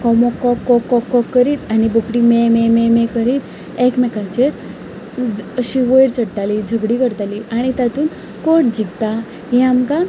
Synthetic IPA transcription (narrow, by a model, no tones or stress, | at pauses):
kɔmɔkːɔkːɔkːɔkːɔkːəɾiːt̪anibəkɽimɛmememɛkəɾiːt̪ | ekmɛkat͡ɕeɾ | əɕiʋəjɽt͡səɽʈ̪alid͡zʱəɡɽiːkəɾt̪aliʔaɽ̃it̪at̪uːn | koʈd͡ʑiɡt̪a | ɦiamka